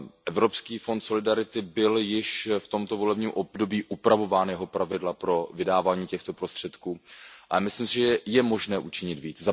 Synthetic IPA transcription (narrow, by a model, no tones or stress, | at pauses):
ʔɛvɾo̞pskiːfo̞nt̪so̞lɪdaɾɪt̪ɪbɪljɪʃft̪o̞mt̪o̞vo̞lɛbɲiːmʔob̚do̞biːʔupɾavo̞vaːnjɛɦo̞pɾavɪdlapɾo̞vɪdaːvaːɲiːcɛxt̪o̞pɾo̞st̪r̥ɛt̪kuːʔʔaamɪslimsɪʒɛjɛmo̞ʒnɛːʔut͡ʃɪɲɪt̪viːt͡sza